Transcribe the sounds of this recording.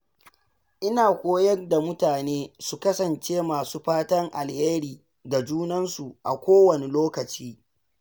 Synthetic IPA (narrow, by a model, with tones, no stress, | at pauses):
ʔɪ˦naː˨kʷoː˦jɐ˦nda˨mʊ˦taː˨neː˦su˨kɐ˦sɐ˨nt͡ʃeː˦maː˨suː˦ɸaː˦tɐ˦ŋʔa˨lheː˦ɾiː˨ | ɡa˨d͡ʒuː˦nɐ˦nsu˨ʔa̰˨kʷoː˦wɐ˨ne˨loː˦kɐ˨t͡ʃiː˦